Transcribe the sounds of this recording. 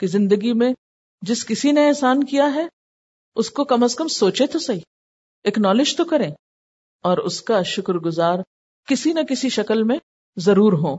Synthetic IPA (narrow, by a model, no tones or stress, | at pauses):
kizɪ̃nd̪əɡimẽ | d͡ʒɪskɪsineɛːsaːnkijaɦɛ | ʊskokɐməskɐmsoːt͡ʃet̪ʰosɐiː | eːknɔːlɪd͡ʒt̪okɐɾẽː | ɔːɾʊ̰skaʃʊkɾɡʊzaːɾ | kɪsinɐkɪsiʃɐkəlmẽ | zɐɾuːɾɦõː